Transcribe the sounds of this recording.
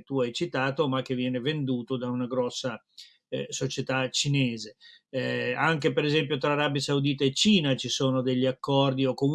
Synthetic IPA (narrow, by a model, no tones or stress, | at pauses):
t̪ːuajt͡ʃit̪aːt̪omak̟ːevːjɛːnevend̪uːt̪od̪aunaɡɾɔsːa | sot͡ʃet̪at͡ʃineːze | aŋk̟epeɾezɛmpjot̪ɾaːɾabjasaud̪iːt̪aet͡ʃːiːnat͡ʃisoːnod̪eʎːiakːɔrd̪iokːom